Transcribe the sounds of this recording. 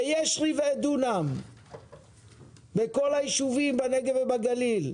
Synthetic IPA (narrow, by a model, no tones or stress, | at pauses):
ejeʃʁiveed̪unam | beko̞lajiʃuvimbaneɡevebaɡalil